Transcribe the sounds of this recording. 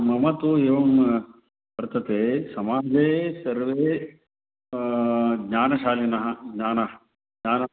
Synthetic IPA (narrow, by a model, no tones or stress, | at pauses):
mɐmɐt̪ueːʋɐm | ʋɐɾt̪ɐt̪eːsɐmaːd͡ʒeːsɐɾʋeː | ɡɲaːnɐʃaːlinɐɦɐɡɲaːnɐ | ɡɲaːnɐ